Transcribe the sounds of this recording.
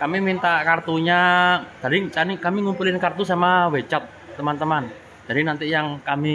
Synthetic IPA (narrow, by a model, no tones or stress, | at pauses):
kamimint̪aʔkart̪uɲad͡ʒ̥adit͡ʃanikamiŋumpulɪnkart̪usamawet͡ʃɔt̪̚ːəmant̪əman̥ | d͡ʒ̥adinant̪ɪʔjaŋkami